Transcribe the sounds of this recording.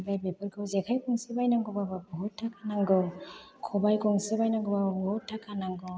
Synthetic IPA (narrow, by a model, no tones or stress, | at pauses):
bajbepʰɯɾɡʰɯwzekʰajkʰɔŋsibajnaŋɡɯbabɯbɔɦutʰːakʰanaŋɡɯ | kʰɔbajkʰɔŋsɯbajnaŋɡɔbababɔhutʰːakʰanaŋɡɔ